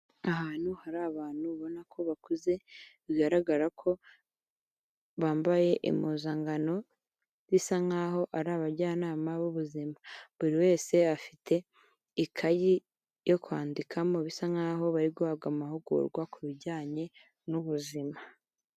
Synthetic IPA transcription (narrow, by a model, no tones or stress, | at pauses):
aɦaːn̥huhaɾaːβaːn̥huβo̞nakʰo̞βakuze̞βiɡaɾaɡaɾakʰo̞ | βaːmbaje̞ʔḭmuːzaŋɡano̞ | zisaŋaːɦo̞ʔaɾaːβaɾɟaːnaːmaβuβuzimaβuɾiwe̞ːse̞afitʰe̞ | ikʰaji | jo̞kwaːndikʰamo̞βisaŋaːɦo̞βaɾiɡoaɡamahuɡṵɾɡwakuβiɟaːɲe̞ | nuβuzima